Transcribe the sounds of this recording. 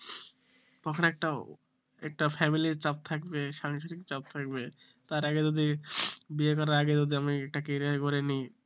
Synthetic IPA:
t̪ɔkʰonɛk̚ʈa | ɛk̚ʈafʰɛmilit͡ɕap̚t̪ʰakbeʃaŋʃoɾikt͡ɕap̚t̪ʰak̚be | t̪aɾaɡed͡ʑod̪ibiekɔɾaɾaɡed͡ʑod̪iamiɛk̚ʈakiɾiaɾkoɾeni

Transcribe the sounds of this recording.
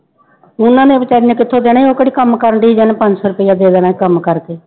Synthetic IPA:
ʊnãːneːbɪt͡ʃaːɾijãːkɪt̪ʰːõːd̪eːɽ̃eːoːkəɽiːkəmkəɾəɳɖiːd͡ʒənẽːpə̃ɲd͡ʒsɔːɾəpɪːãːd̪eːd̪əːnaːkəmkəɾkeː

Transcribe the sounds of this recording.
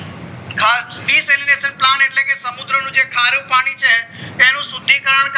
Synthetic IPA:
kʰabiːseːlɪɾeːsəɾplaːneːʈlɛːkeːsəmʊd̪ɾenũːd͡ʒeːkʰaːɾepaːɽ̃iːt͡ʃɛːɛ̃ːnũːsʊd̪ʱiːkəɾəɳk

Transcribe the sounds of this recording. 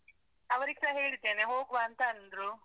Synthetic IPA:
ɐʋɐɾiksɐɦeːɭid̪ːeːneɦoːɡʋaːnt̪ɐɐnd̪ɾu

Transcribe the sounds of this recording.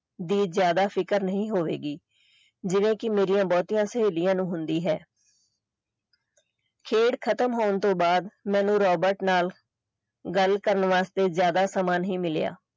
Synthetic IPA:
d̪iːzjaːd̪aːpʰɪkəɾnəɦĩːɦoːʋḛːɡiː | d͡ʒɪʋẽːkɪmeːɾijãːbɔːt̪iːãːsəɦeːlɪjãːnũːɦʊnd̪iːɦɛː | kʰeːɽkʰət̪əmɦoːnt̪õːbaːd̪mɛ̃ːnũːɾɔːbəɾʈnaːl | ɡəlkəɾənʋaːst̪eːzjaːd̪aːsaːmaːnɦĩːmɪleja̰ː

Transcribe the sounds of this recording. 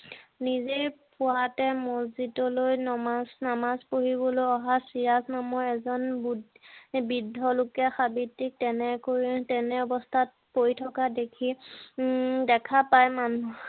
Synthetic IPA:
nizejpʊwatɛmozitɔlojnɔasnamazpoɦibɔlojɔɦasiɹaznamɔɹɛzɔnbd | bidʱːɔlʊkɛxabitːik̚tɛnɛkoɹitɛnɛɔbɔstʰat̚ | pojtʰɔkadekʰi | dɛkʰapajmanu

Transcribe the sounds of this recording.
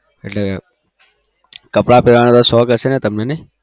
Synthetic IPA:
eʈle | kəpɽapeʋaːñeːt̪osɔːkəseːnet̪əmneːnẽ

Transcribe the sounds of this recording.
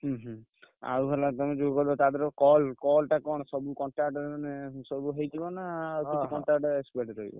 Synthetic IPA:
ɦɔɦ | a̰ɾuɦelat̪ɔmed͡ʒoɡkɔɾibɔt̪ad̪eɾɔkɔlkɔlʈakɔɽ̃ɔsɔbukɔɳʈɾaɾʈɔnesɔbuɦejt̪ʰibɔnaːukɔɳʈakʈekspeʈɾɔɦḭbɔ̰

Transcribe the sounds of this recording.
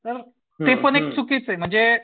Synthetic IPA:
t̪əɾ | t̪epəɳek̚t͡sukiːt͡sem̤əɳd͡ze

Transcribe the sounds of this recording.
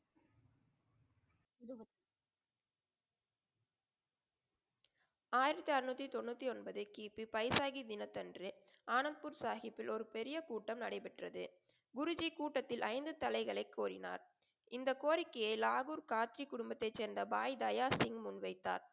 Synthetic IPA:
aːjɪɾɐt̪ːiɐɾɪnuːt̪ːit̪ɔɳːut̪ːiɔnbɐðɯkiːpːipɐjsaːɣid̪ɪnɐt̪ːɐndrɯʔaːnɐnpuɾsaːɣɪpːɪlɔɾɯpɛɾɪjɐkuːʈːɐmnɐɽɐɪpɛʈrɐðɯ̰ | ɡʊɾʊd͡ʒikuːʈːɐt̪ːɪlʔɐɪnd̪ɯt̪ɐlɐɪɣɐɭɐɪkːoːɾɪna̰ːɾ | ɪnd̪ɐkoːɾɪkːɐjɐɪlaːɣuːɾkaːt̪ɾikʊɽʊmbɐt̪ːɐɪt͡ʃːɛːɾnd̪ɐbaːjd̪ɐjaːsɪŋmʊnʋɐɪt̪ːa̰ːɾ

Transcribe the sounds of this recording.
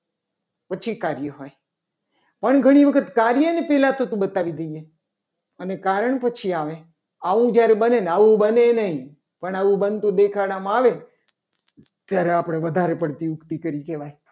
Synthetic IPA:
pət͡ʃʰikaɾjəɦoj | pəɳɡʱəɽ̃iʋəkʰət̪kaɾjənepɛɦlat̪ot̪ũbət̪aʋid̪əije | ənekaɾəɳpət͡ʃʰiaʋẽ | aʋũd͡ʒjaɾebənenaʋũbənenəɦĩ | pəɳaʋũbənt̪ũd̪ekʰaɽamãaʋe | t̪jaɾeapɽ̃eʋəd̪ʱaɾepəɽt̪imʊkt̪ikəɾikeʋaj

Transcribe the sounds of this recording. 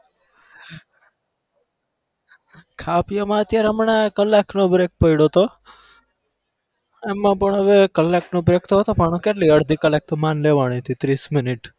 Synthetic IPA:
kʰapijəmãət̪jaɾeɦəmɳakəlːaknobɾek̚pəiɽot̪o | emːãpəɳɦəʋekəlːaknobɾekt̪oɦət̪opaɳ̃õkeʈliəɽd̪ʱikəlek̚t̪omanleʋaɽ̃it̪ʰit̪ɾismɪniʈ

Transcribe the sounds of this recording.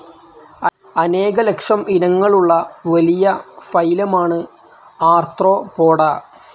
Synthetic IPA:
ɐne̞ːɣɐlekʂɐmʔinɐŋːɐɭuɭːɐʋɐlijɐfɐjlɐmaːɳɨ | aːrt̪ro̞ːpo̞ːɽaː

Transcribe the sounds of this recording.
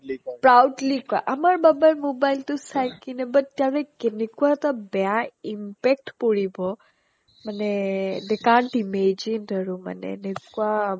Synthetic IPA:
pɾawɖlika̰ʔɐmaɾbɐbajlmobajlt̪usajkinebɐt̪t̪ːjaʋekenikuat̪abjãimpek̚ʈpoɽibʱo | məned̪ekãːɳʈimed͡ʒinɾəɾũmɐ̰nḛnekua

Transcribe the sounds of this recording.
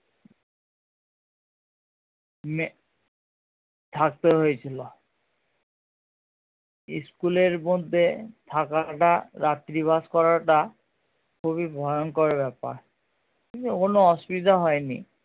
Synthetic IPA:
m | t̪ʰak̚t̪eɦojtʰilɔ | ḭskuleɹmod̪ʱːet̪ʰakaʈaɹat̪ɹibʱaskɔɹaʈa | kʰuβibʱɔjɔnkɔɹebɛpa̰ɹ | kint̪ukonoɔsbid̪aɦɔjnḭ

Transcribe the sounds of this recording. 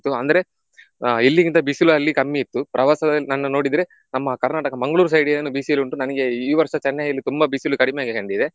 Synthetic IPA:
t̪ːuɐ̰nd̪ɐɾe̞ | ilːikint̪ɐbisulɐlːikɐmːiːt̪ːupɾʔɐʋaːsɐd̪ɐlːnɐnːunoːɽid̪ɾe̞ | nɐmːɐkɐɾnaːʈɐkɐmɐŋɡɐɭuːɾus̬ɐjɽijɐnːubiːsiluɳʈunɐnɐɡe̞iːʋɐɾʂɐt͡ʃɐnːɐɐlːit̪umbɐbisulukɐɽimejaːɡeɦeɳɖid̪e̞

